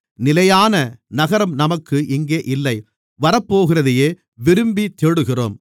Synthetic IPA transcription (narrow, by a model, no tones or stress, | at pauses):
nɪlɐjaːnɐnɐɣɐɾɐmnɐmɐkːɯʔɪŋɡeːʔɪlːɐɪ | ʋɐɾɐpːoːɣɪrɐðɪjeː | ʋɪɾɯmbit̪eːɽɯɣɪro̰ːm